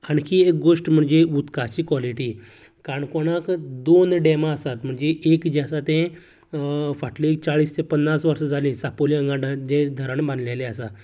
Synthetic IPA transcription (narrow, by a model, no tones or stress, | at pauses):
ankiːek̚ɡoʂʈm̤əɳd͡zeut̪kat͡ɕiːkʋɔliʈiː | kaɳkoɽakd̪onɖemaəsat̪m̤əɳd͡zeekd͡ʑasat̪ẽ | faʈlit͡saɭiːst̪ʰepənːasʋəɾʂəd͡zʱalĩsapoliə̃ŋɡãɖad͡ʑed̪ʱəɾəɳbãnd̪leleəsa